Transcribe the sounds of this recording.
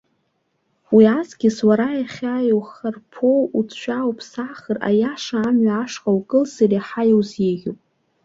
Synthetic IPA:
wiazɡʲɪswaɾajaχʲajowχarpʰowut͡sʼʰʃʷᶣawpʼʰsaχəra̰jaʂaːmɥaːʂqʼawkʼɨlsariaħajowzjeɡʲowpʼ

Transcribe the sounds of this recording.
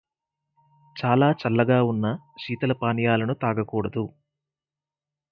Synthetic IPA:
t͡ʃaːlaːt͡ʃɐlːɐɡaːunːɐʃiːt̪ɐlɐpaːnjaːlɐnut̪aːɡɐkuːɽɐd̪u

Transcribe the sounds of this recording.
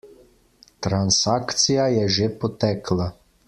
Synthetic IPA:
t̪ɾansakt̪sijajɛʒepɔt̪ɛkʰla

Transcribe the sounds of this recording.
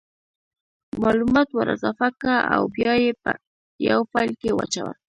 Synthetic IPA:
malʊmat̪waɾa̰safakaa̰wpjajpa | jawpaʎkɪwa̰t͡ʃawa̰

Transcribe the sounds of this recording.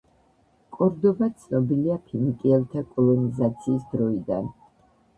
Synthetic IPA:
kʼɔɾd̪ɔbat̪sʰnɔbiliapʰimikʼiɛlt̪ʰakʼɔlˠɔnizat̪sʰiːsd̪ɾɔid̪a̰n

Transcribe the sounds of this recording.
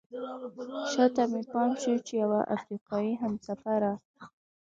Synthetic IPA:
ʃat̪amepɑnʃut͡ʃejawaʔa̰fɾiqɑiɦamsafaɾa

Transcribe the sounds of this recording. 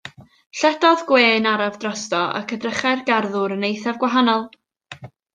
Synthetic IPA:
ɬɛdɔðɡweːnaɾavdrɔstɔa̰kʰədrəχɛrɡarðʊɾənejθavɡwaɦanɔlˠ

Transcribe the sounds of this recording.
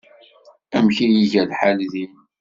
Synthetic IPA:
æmçijiʝælħalðin

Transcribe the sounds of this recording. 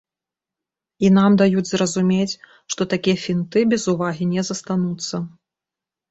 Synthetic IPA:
inamd̪ajud͡zʲzrɐzumʲet͡sʲ | ʂt̪ɔt̪akʲijɐfʲint̪ɨbʲɛzuvaɣʲinʲɛzɐst̪anut̪sːɐ

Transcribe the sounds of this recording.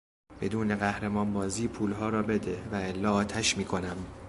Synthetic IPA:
b̥e̞d̪uːne̞ɣæhɾemɒːnbɒːziːpʰuːlɦɒːɾɒːbe̞d̪evæelːɒːt̪ʰæʃmiːkʰo̞næm

